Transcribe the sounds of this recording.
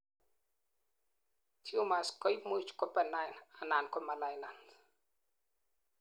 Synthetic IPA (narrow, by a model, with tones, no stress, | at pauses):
tʰio˦ma˨skɔ˦jmo˦t͡ʃkɔ˦pɛ˨najnana˨nkɔ˦ma˨lajla˨nd